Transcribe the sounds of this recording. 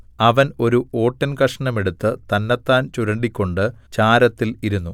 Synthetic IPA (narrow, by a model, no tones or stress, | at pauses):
ɐʋɐno̞ɾuʔo̞ːʈːɐnkɐʂɐɳɐme̞ɽut̪ːɨt̪ɐnːɐt̪ːaːnt͡ɕuɾɐɳɖikʲːo̞ɳɖɨt͡ɕaːɾɐt̪ːiliɾunːu